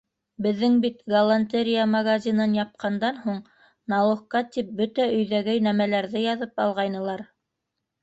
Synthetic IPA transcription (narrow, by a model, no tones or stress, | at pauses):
bɘ̆ðːɘŋbit̪ɡɐlˠanʲt̪ʲeɾʲijamɐɡazʲinɤnjɑp̚qʰɑnd̪ɑnhuɴ | nɑlˠɤ̆χqɑt̪ip̚bɵt̪æɵ̆jðæɡɘjnæmælæɾðɘjɑðɤpɑlˠʁɑjnɤ̆lˠɑɾ